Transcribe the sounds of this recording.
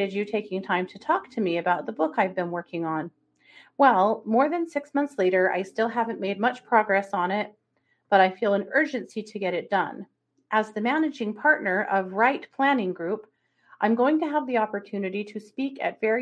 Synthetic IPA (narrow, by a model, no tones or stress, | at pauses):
ɨd͡ʒɨtʰeɪkɪ̃ŋtʰãɪ̃mtʰɨtʰɔk̚tʰɨmiɨbaʊt̪̚ðəbʊkaɪvbɨ̃nwɜ˞kʰɪ̃ŋə̃n | wɛlˠmɔɹðɨ̃nsɪksmʌ̃nθsleɪɾə˞ʔa̰ɪstɪlˠɦævɨ̃nmeɪd̚mʌt͡ʃpʰɹ̥ɑɡɹɛsn̩ɪt̚ | b̥ʌɾaɪfilˠə̃nɜ˞d͡ʒɨ̃nsiɾɨɡɛɾɨt̚d̥ʌ̰̃n | ʔɨzðɨmænɨd͡ʒɪ̃ŋpʰɑɹtⁿnə˞ʔʌvɹaɪt̚pʰl̥æ̃nɪ̃ŋɡɹʉp | ʔãɪ̃mɡoʊɪ̃ŋtɨəvðiɑpə˞tʰʉnɨɾiɾɨspikɨ̰tv̥ɛɹ